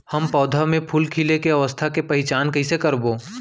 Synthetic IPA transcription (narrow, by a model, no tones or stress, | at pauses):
hɐmpɔːd̪ʱamẽpʰuːlkʰiːlekeɐʋəst̪ʰakepɐɦɪt͡ʃaːnkɐɦɪsekɐɾboː